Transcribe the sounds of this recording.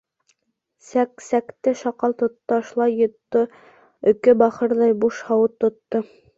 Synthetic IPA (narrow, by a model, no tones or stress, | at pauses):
sæksækt̪ɘʃɑqɑlˠt̪ŏt̪ːɑɑʃlˠɑjːŏt̪ːo | ɵ̆kɘbɑχɤɾðɑjbuʃhɑwɤt̪ːŏt̪ːo